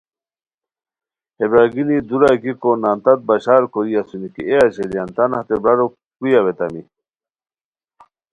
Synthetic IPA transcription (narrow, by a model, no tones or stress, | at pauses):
hebɾaːɡilid̪uɾaɡikonaːnt̪ɐt̪̚baɕaːɾkoɾiasunikieaɕelijant̪anhat̪ebɾaɾo | kujaβet̪ami